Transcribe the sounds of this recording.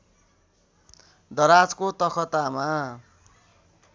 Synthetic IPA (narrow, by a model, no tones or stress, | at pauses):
d̪ʌɾat͡skot̪ʌkʰʌt̪ama